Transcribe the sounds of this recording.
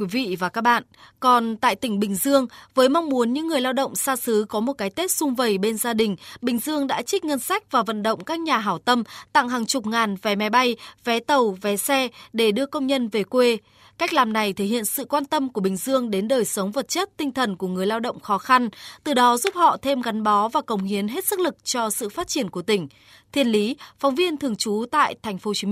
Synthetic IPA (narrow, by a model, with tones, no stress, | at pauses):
kwi˨˦vḭ˧˨vaː˨˩kaː˦˥k̚ɓa̰ː˧˨nkɔ˨˩nt̪a̰ː˧˨jt̪ï˧˩ŋ̟ɓï˨˩ŋ̟zɨ˧əŋvəː˨˦jma˧wŋ͡mmu˨˦ənɲɨ̰˧˥ŋːɨ˨˩əjlaː˧wɗə̰˧˨wŋ͡msaː˧sɨ˨˦kɔ˨˦mo˨˩t̚kaː˨˦jt̪e˦˥t̚sʊ˧ŋ͡mvə˨˩jɓe˧nzaː˧ɗï˨˩ŋ̟ɓï˨˩ŋ̟zɨ˧əŋɗa̰ː˧˥t͡ɕï̟˦˥ŋə˧nsa˦˥jk̟̚vaː˨˩və̰˧˨nɗə̰˧˨wŋ͡mkaː˦˥k̚ɲaː˨˩ɦaː˧˩wt̪ə˧mt̪a̰˧˨ŋɦaː˨˩ŋt͡ɕʊ˨˩k͡p̚ŋaː˨˩nvɛ˨˦ma˨˦jɓa˧jvɛ˨˦t̪ə˨˩wvɛ˨˦sɛ˧ɗe˧˩ɗɨ˧əkə˧wŋ͡mɲə˧nve˨˩kwe˧ | ka˦˥k̟̚laː˨˩mna˨˩jt̪ʰe˧˩hḭ˧˨ənsɨ̰˧˨kwaː˧nt̪ə˧mku˧˩əɓï˨˩ŋ̟zɨ˧əŋɗe˨˦nɗəː˨˩jsə˨˦wŋ͡mvə˨˩t̚t͡ɕə˦˥t̚t̪ï˧ŋ̟t̪ʰə˨˩nku˧˩əŋɨ˨˩əjlaː˧wɗə̰˧˨ŋ͡mxɔ˨˦xa˧nt̪ɨ˨˩ɗɔ˨˦zu˦˥p̚hɔ̰˧˨t̪ʰe˧mɣa˨˦nɓɔ˨˦vaː˨˩kə˨˩wŋ͡mhi˨˦ənɦe˦˥t̚sɨ˦˥k̚lɨ˨˩k̚t͡ɕɔ˧sɨ̰˧˨faː˦˥t̚t͡ɕi˧˩ənku˧˩ət̪ï˧˩ŋ̟ | t̪ʰi˧˩ənli˨˦fɔ˨˦wŋ͡mvi˧ənt̪ʰɨ˨˩əŋt͡ɕu˨˦t̪a̰ː˧˨jt̪ʰjŋ̟fo˨˦t͡ɕi˨˦˧